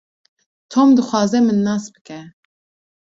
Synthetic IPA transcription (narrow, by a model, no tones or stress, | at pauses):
t̪ʰoːmd̪ɨxʷɑːzɛmɨnːɑːsbɨ̥kɛ